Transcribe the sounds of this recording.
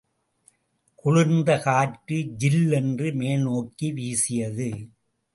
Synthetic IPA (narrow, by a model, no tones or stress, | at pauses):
kʊɻʊnd̪ɐkaːʈːɯd͡ʒɪlːɛndrɯmeːlnoːkːiʋiːsɪjɐðɯ